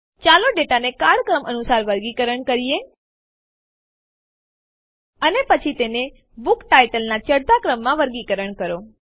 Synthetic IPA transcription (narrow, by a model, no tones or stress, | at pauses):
t͡ʃaloɖeʈanekaɽkɾəmʔənusaɾʋəɾɡikəɾəɳkəɾije | ənepət͡ʃʰit̪ene | bukʈajʈəlnat͡ʃəɽd̪akɾəmːãʋəɾɡikəɾəɳkəɾo